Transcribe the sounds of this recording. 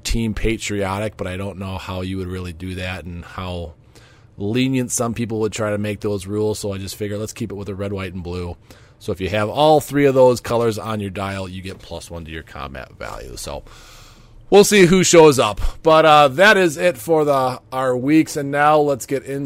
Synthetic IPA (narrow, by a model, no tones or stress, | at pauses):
tʰĩmpʰeɪt͡ʃɹ̥iɑɾɨk̚b̥ʌɾaɪɾõʊ̃nːoʊhaʊjɨwɨd̚ɹɪlˠidɨðæɾn̩haʊ | lĩnjɨ̃ntsʌ̃mpip̬l̩ˠwəd̚tʰɹ̥aɪɾɨmeɪk̚ðoʊzɹulˠz̥soʊaɪd͡ʒʌstfɪɡjə˞lətskʰipət̚wəðɨɹɛd̚waɪtn̩blu | soʊɨfjɨɨvɔlˠθɹiʌvðoʊz̥kʰʌlˠə˞zn̩jə˞daɪlˠjɨɡɛt̚pʰl̥ʌ̰swʌ̃ntʰɨjə̰˞kʰɑ̰̃mæ̰tvæ̰lˠjʉ̰soʊ | wilˠsiɦuʃoʊzʌpb̥ʌɾʌðɨɾɪzɪtfə˞ðəə˞wiksɨ̃nːaʊlətsɡ̥ɛɾɪ̃n